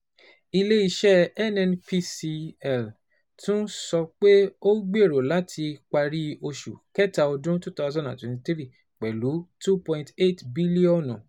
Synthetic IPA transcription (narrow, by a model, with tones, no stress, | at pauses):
i˧le˦i˦˨ʃɛ˦ɛ˦nɛ˧npi˦si˧ɛ˨l | tũ˦sɔ˧k͡pe˦o˦ɡ͡be˦˨ɾo˨la˦tʰi˧k͡pa˧ɾi˦o˧ʃṵ˨kɛ˦ta˧o˧dũ˦tu˦ta˦zɔ̃˦dã˨twɛ̃˨tĩ˧˦tɾi˦˨ | k͡pɛ˨lu˨˦tu˦pɔ̃˧ĩnte˦˨tbi˦li˦ɔ̃˦˨nɔ̃˨